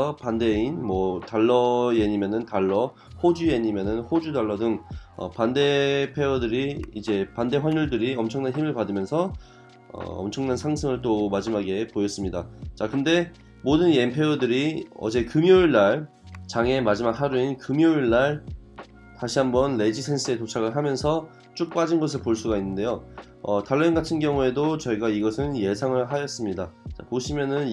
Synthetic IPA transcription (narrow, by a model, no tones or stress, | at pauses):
ʌpande̞inmwʌtaɭːʌjeɲimjʌnɯntaɭːʌ | hod͡ʑujeɲimjʌnɯnhod͡ʑudaɭːʌdɯŋʌ̰pande̞pʰe̞odɯɾiid͡ʑe̞pande̞ɸwaɲuɭdɯɾiʌmt͡ɕʰʌŋnançimɯɭpadɯmjʌnsʰʌ | ʌ̰ʌ̰mt͡ɕʰʌŋnansʰaŋsʰɯŋɯɭt͈omad͡ʑimaɡe̞pojʌs͈ɯmɲidat͡ɕakɯnde̞ | modɯnje̞mpʰeodɯɾiʌ̰d͡ʑe̞kɯmijoiɭːaɭ | t͡ɕaŋe̞mad͡ʑimak̚haɾuinkɯmjoiɭːaɭ | taɕʰiɦambʌnle̞d͡ʑisʰe̞ns͈ʰɯe̞tot͡ɕʰaɡɯɭɦamjʌnsʰʌ | t͡ɕ͈uk̚p͈ad͡ʑinɡʌsʰɯɭpoɭs͈uɡainːɯndejo | ʌtaɭːenɡatʰɯnɡjʌŋue̞dot͡ɕʌiɡaiɡʌsʰɯnje̞sʰaŋɯɭɦajʌs͈ɯmɲidat͡ɕa̰poɕʰimjʌnɯn